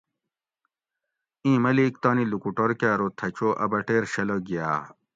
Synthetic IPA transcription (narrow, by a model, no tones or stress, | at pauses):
ĩːmɐlikt̪aːnilukuʈoɾkjaːɾot̪ʰɐt͡ɕoːʔɐ̰bɐʈeːɾɕɐloɡija̰ː